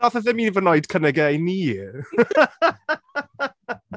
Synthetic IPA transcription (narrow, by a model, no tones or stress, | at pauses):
ɔθəðɪminivənɔɨd̥kʰənɛɡɛjniː